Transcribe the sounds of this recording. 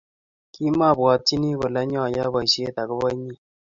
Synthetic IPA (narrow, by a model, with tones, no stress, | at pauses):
ki˦ma˦˨bwɔ˨t͡ʃi˦ni˦kʊ˨lɛ˦ɲɔ˦˨ja˦bɔ˨i˨ʃje˦ta˨kʊ˦bɔ˦ɲi˦˨